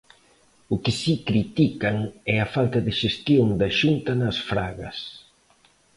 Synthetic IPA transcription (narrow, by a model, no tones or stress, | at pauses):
ʊkɪsikɾit̪ikɐŋɛɐfalt̪ɐðɪʃest̪joŋd̪ɐʃunt̪ɐnɐsfɾaɣɐ̰s